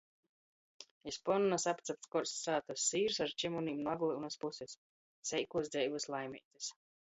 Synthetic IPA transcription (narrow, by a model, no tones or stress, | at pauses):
ispɔnnasapt̪sap̚t̪kɔɾsːaːt̪asːiːɾsaɾt͡ʃimuniːmnuaɡlˠiunaspusesː | ɛjkuɔsd̪ɛjvɨslˠajmḭːt̪e̥s